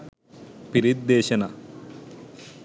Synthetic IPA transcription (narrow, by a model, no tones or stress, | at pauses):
piɾid̪ːeːɕɐnɐ